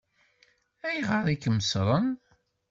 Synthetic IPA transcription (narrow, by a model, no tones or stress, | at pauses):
æjʁəɾˤikəməsɾˤən